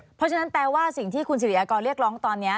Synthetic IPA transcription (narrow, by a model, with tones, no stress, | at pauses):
pʰɔ˦˥t͡ɕʰa˧na˦˥nplɛː˧waː˥˩si˨˩ŋt̪ʰiː˥˩kʰu˧ns̬ʰi˨˩ʔaː˧kɔː˧nɾi˥˩ək̚ɾɔː˦˥ŋt̪ɔː˧nːi˦˥ɐ